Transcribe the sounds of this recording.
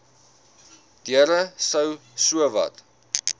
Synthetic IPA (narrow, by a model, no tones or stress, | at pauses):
d̥iəɾəsəwsuəvɐ̰t